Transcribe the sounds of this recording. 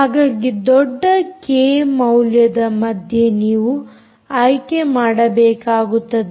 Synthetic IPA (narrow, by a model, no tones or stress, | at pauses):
haːɡaːɡid̪ɔɖːɐkeːmɐwljɐd̪ɐmɐd̪ʱje̞niːʋu | aːjkemaːɽɐbɛːkaːɡut̪ːɐd̪e